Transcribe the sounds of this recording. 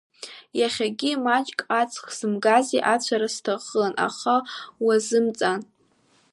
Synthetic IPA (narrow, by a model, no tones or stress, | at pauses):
jaχʲaɡʲimat͡ʃʼkʼat͡sʰʼχz̥ɨmɡaziʔat͡ɕʷʰaɾastʰaχəlanʔa̰χawazɨmt͡sʼan